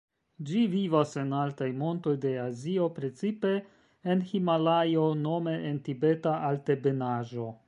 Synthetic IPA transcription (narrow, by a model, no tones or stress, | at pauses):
d͡ʒivivase̞naltajmo̞nto̞jdeazio̞pɾe̞t͡sipe̞ː | nhimalajo̞no̞me̞ʔentibe̞taʔalte̞be̞naʒo̞